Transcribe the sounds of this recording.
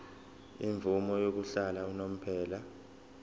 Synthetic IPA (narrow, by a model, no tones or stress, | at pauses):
iɱvumɔjok̬uɬalaunom̩pʰɛːla